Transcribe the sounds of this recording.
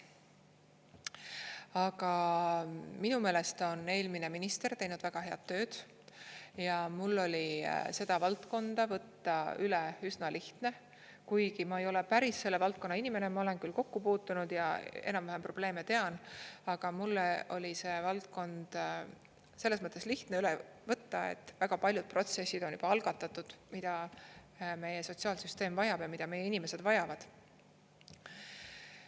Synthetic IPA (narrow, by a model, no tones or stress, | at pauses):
ɑɡɑ | minume̞ːle̞st̪o̞ne̞ːlmine̞minist̪e̞rt̪e̞jnud̪̥væɡ̥ɑɦe̞ɑ̰d̪̥ːø̞ːd̪̥ | jɑmulːo̞lʲise̞d̪̥ɑvɑlt̪ko̞nd̪̥ɑvɤt̪ːɑyleysnɑliht̪ne̞ | kujɡimɑe̞jo̞le̞pæɾisːe̞lːevɑlt̪̚konːɑinime̞nemɑo̞le̞nkylko̞kːupuːt̪ːˑunud̪̥jɑe̞̰nɑmvæɦempro̞b̥le̞ːme̞t̪e̞ɑnɑɡ̥ɑmulːeo̞lʲise̞ːvɑlt̪̚ko̞nd̪̥ | se̞lːesmɤt̪ˑːesliht̪neylevɤt̪ːɑḛt̪ːˑvæɡ̥ɑpɑlʲjud̪̥̚pro̞t̪se̞sːid̪̥o̞njy̰b̥ɑɑlɡ̥ɑt̪ːˑɑt̪ːud̪̥mid̪̥ɑ | me̞jeso̞t̪siɑːlsyst̪e̞ːmvɑjɑb̥jɑmid̪̥ɑme̞jːeinime̞se̞d̪vɑjɑvɑd̪̥